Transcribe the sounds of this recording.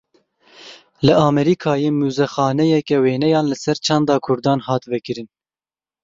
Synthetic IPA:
lɨʔɑːmɛɾiːkʰɑːjeːmuːzɛxɑːnɛjɛkɛweːnɛjɑːnlɨsɛɾt͡ʃʰɑnd̪ɑːkʰʊɾd̪ɑːnhɑːt̪vɛkɨɾɨn

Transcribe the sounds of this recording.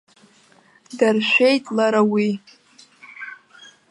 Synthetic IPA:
darʃʷᶣejtʼlaɾawi

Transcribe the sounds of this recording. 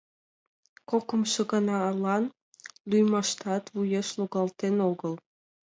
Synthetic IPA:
kokə̆mʃəɣənɑːlɑn | lyjmɑʃt̪ɑt̪βujeʃluɣɑlt̪enoɣəl

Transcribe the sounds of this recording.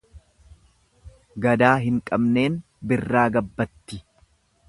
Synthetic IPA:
ɡɐd̪aːɦɪŋkʼɐbne̞ːn | bɪrːaːɡɐbːɐt̪ːɪ

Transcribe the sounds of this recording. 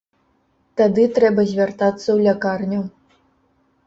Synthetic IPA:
t̪ad̪ɨt̪ɾɛbɐzʲvʲart̪at̪sːɐwlʲakarnʲɐw

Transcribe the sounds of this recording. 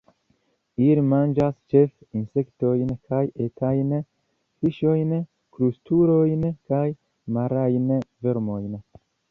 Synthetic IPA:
ilimand͡ʒast͡ʃefinsektojnkʰajetʰajn | fiʃojn | kɾust̪uɾojnkaj | maɾajnveɾmojn

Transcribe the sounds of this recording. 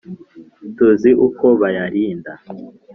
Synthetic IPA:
tuziʔukʰoβajaʔiːnda

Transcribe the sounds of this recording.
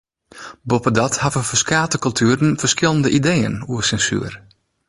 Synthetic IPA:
bopədɔthavəfəskaːtəkɵlˠtʰyəɾənfərskɪlˠəndəʔidejə̰nuəsɛnsy̰ər

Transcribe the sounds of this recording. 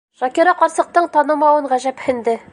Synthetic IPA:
ʃɒkiɾɑqɒɾsɤ̆q̚t̪ɤɴt̪ɑnɤ̆mɑwɤɴʁæʑæphɘ̆nd̪ɘ

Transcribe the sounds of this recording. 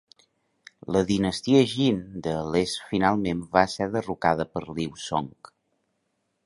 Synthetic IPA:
ləðinəst̪iəʒind̪əlesfinalˠmembaəsɛðərukaðəpəɾliwso̰ŋk

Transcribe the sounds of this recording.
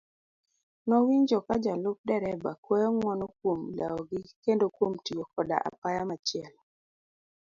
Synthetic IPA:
nɔwiɲd͡ʒɔkad͡ʒalʊp̚dɛɾɛbakwɛjɔŋwɔnok̚womla̰ɔɡɪkendokwomtiwokɔda̰ʔa̰pajamat͡ʃɪɛl

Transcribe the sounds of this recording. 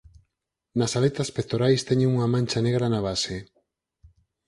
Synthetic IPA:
nasalet̪aspek̚t̪oɾajst̪eɲeuŋamãnt͡ʃaneɣɾanaβ̞ase

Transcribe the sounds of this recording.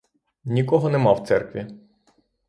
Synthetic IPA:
nʲikɔɦɔnɛmɑwt̪sɛrkʋʲi

